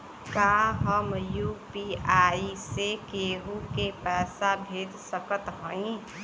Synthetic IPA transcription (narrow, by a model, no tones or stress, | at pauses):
kaːɦəmjuːpiaːisekeːɦukepɛːsabʱeːd̪səkət̪ɦɔ̃ĩ